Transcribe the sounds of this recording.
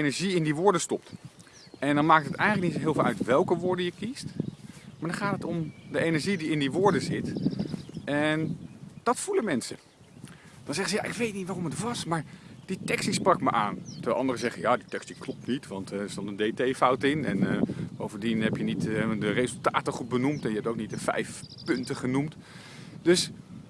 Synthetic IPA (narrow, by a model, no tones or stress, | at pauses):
ejnɛɹʒiɪndiʋʊːɹdəstɔp̚t | ɛndɑnmaːk̚tətɛjχnləknitsɦɪːlˠflˠœ̰ɥtʋɛlˠkəʋʊːɹdəjəkistmaːɹdɑnχaːtətɔmdəenɛɹʒidiɪndiʋʊːɹdəzɪt | ɛnd̥ɑtfuləmɛnsə̰ | d̥ɑnzɛχəzəja̰ʔɪkʋejt̚nitʋaːrɔmətʋɑsmaːɹd̥itɛkstisprɑkməʔaːntənʔɑ̰ndərəzɛχəjaːditɛkstiklɔp̚nitʋɑntsdɔnəndejtejfʌwtɪnɛ̰nbowvəndinɦɛpjənitdərezəlˠta̰ːtəχut̚bənumtɛnjəɦɛptowknit̚dəfɛ̰jfpɵntəχənumt | d̥ɵs